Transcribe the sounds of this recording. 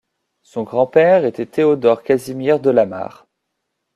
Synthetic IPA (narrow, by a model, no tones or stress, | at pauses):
sɔ̃ɡʁɑ̃pɛʁet̪ɛt̪ʰeod̪ɔʁkazimɛʁd̪əlama̰ːʁ